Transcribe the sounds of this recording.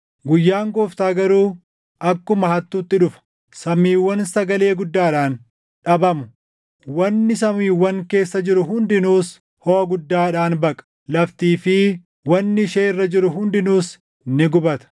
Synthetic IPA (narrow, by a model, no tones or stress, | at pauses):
ɡʊjːaːŋɡɔːft̪aːɡɐɾuː | ʔɐkːʊmɐhɐt̪ːuːt̪ːɪᶑʊfɐ̥ | sɐmiːwːɐnsɐɡɐle̞ːɡʊd̪ːaːɪᶑaːn | ᶑɐbɐmʊ | wɐnːɪs̬ɐmiːwːɐŋke̞ːsːɐd͡ʒɪɾʊɦʊnd̪ɪnuːs | hɔhɐɡʊd̪ːaːᶑaːnbɐkʼɐ̥lɐft̪iːfɪ | wɐnːɪʃeːɪrːɐd͡ʒɪɾʊɦʊnd̪ɪnuːs | nɪɡʊbɐt̪ɐ̥